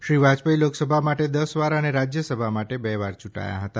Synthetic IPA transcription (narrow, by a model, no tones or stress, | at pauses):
ʃɾiʋad͡ʒpəiloksəbʱamaʈed̪əsʋaɾəneɾad͡ʒjəsəbʱamaʈebɛʋaɾt͡ʃuʈa̰ja̰ɦət̪a